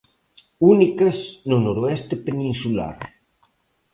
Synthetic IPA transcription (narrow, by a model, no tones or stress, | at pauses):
unikɐsnonoɾoɛst̪epenĩnsula̰ɾ